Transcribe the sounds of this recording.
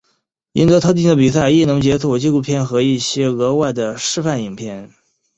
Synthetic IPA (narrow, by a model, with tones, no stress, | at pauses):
ḭ˧˥nt̪ɤ˧˥t̪ʰɤ˧˥t̪̬i˥˩ŋd̪ə˩p̬i˨˩sa˥˧˩ɪi˥˩nʊ˧˥ŋt͡ɕjɛ˧˥t͡sʰɔ˨˩t͡ɕi˥˧lu˥˧˩pʰjɛ˥˩nxɤ˧˥i˥˩ɕjɛ˥ɤ˧˥wa˥˩ɪd̪ə˩ʂɻ̩˥˧fa˥˩ni˨˩ŋpʰjɛ˥˩n